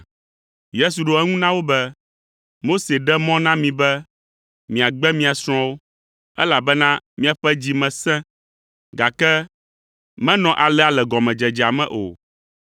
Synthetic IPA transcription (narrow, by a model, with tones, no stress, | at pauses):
je˦s̬u˨ɖo˦ɛ˦ŋũ˦nã˦wo˦bɛ˦ | mo˦se˨ɖɛ˦mɔ̃˦nã˦mĩ˨bɛ˦ | mĩ˨a˨ɡ͡bɛ˦mĩ˦a˨sɾ̃ɔ̃˦wo˦ | ɛ̰˦la˨bɛ˦nã˦mĩ˦a˨ɸɛ˦d͡ʑi˦mɛ̃˨sɛ̃˦ | ɡa˨kɛ˦ | mɛ̃˦nɔ̃˨ʔa˨lɛ˦a˨lɛ˨ɡɔ˨mɛ̃˨d͡ʒɛ˨d͡ʑi˨a˨mɛ̰̃˦˨ʔo̰˨